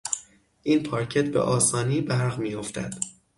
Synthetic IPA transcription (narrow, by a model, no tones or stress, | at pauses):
ʔiːnpʰɒːɾcʰet̪̚bḛʔɒːsɒːniːbæɾɣmiːjo̞ft̪ʰæ̰d̪̥